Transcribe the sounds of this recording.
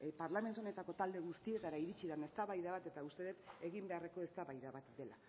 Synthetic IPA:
paɾlame̞nt̪uo̞ne̞t̪ako̞t̪ald̪e̞ɣust̪ie̞t̪aɾaiɾit͡ʃiðane̞st̪aβajðaβat̪e̞t̪aust̪e̞ðet̪e̞ɣimbe̞areko̞est̪aβajðaβat̪d̪e̞la

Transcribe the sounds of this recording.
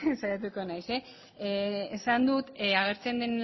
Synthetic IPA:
sajat̪̬uko̞najse̞ | esand̪ut̪aɣ̞e̞ɾt͡se̞nd̪en

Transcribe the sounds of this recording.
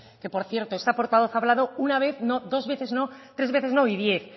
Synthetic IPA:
ke̞po̞ɾθje̞ɾt̪oest̪apo̞ɾt̪aβ̞o̞θaβlaðounaβ̞e̞θno̞ðo̞zβe̞θe̞zno̞t̪ɾezβe̞θe̞zno̞iðje̞θ

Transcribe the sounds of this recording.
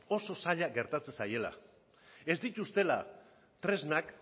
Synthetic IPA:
o̞so̞saʎaɡe̞ɾt̪at͡se̞saje̞la̰ | e̞zd̪it̪ust̪e̞la | t̪ɾe̞znak

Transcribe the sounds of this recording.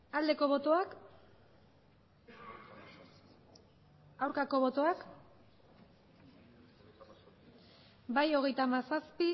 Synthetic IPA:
ald̪e̞ko̞β̞o̞t̪o̞ak | awɾkako̞βo̞t̪o̞ak | bajo̞ɣ̞e̞jt̪amasaspi

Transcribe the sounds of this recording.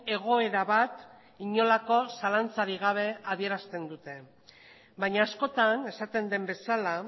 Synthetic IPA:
e̞ɣ̞o̞e̞ɾaβat̪ | iɲo̞lako̞salant͡saɾiɣ̞aβ̞e̞aβie̞ɾast̪e̞nd̪ut̪e̞ | bajɲaːsko̞t̪ane̞sat̪e̞nd̪e̞mbe̞sala

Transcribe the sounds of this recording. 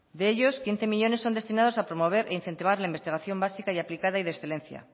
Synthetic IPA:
d̪eeʎo̞skin̟θe̞miʎo̞nesːo̞nd̪e̞st̪inað̞o̞sapɾomo̞β̞e̞ɾʔeinθe̞nt̪iβ̞aɾlaimbest̪iɣ̞aθjo̞mbasikaiaplikaðaiðesθe̞lẽ̞nθja̰

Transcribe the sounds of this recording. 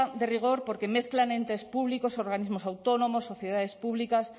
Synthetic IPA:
d̪eriɣ̞oɾpoɾkemeθklanent̪espuβlikosoɾɣ̞anizmosawt̪onomosːoθjeðaðespuβlikas

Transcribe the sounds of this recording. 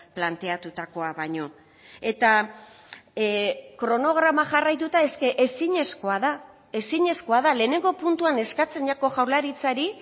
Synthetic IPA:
plant̪e̞at̪ut̪ako̞aβaɲo̞ | e̞t̪a | kɾo̞no̞ɣ̞ɾamaʝarajt̪ut̪ae̞ske̞ʔesiɲe̞sko̞aða | e̞siɲe̞sko̞aðale̞ːne̞ŋɡo̞punt̪uane̞skat͡se̞nʝako̞ʝawɾlaɾit͡saɾi

